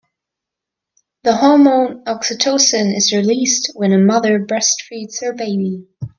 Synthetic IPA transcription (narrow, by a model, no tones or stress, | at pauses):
ðəhɑmõʊ̃nɑksɨtʰoʊsɨ̃nɪzɹilist̚wɨ̃nɨmʌðə˞bɹɛstfɹidz̥hə˞beɪbi